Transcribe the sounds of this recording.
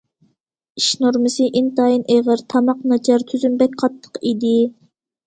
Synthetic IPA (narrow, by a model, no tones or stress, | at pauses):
iʃnuɾmɨsɨʔint̪ɑːjinʔeʁəɾt̪ʰɑmɑqnɑt͡ʃʰɑɾt̪ʰyzymbɛk̚ʲqʰɑt̪ʰːə̥qid̪ɪ